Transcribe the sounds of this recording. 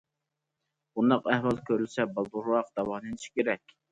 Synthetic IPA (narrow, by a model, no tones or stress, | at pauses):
b̥und̪ɑqæhwɑlˠkʲʰøɾylʲsɛbɑlˠd̪uɾɑqd̪̥ɑwɑːnɨniʃkʲʰeɾɛkʲ